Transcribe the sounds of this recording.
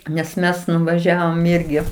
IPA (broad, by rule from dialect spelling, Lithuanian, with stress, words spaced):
nʲɛs ˈmʲɛs nʊʋɐˈʒʲæːʋoːm ˈɪrʲɡʲɪ